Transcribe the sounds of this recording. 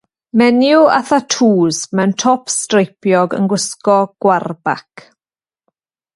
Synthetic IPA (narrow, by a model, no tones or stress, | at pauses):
mɛnjʊa̰θatʰuːzmɛwntʰɔpstrejpjɔɡə̰nɡwʊskɔɡ̥warba̰k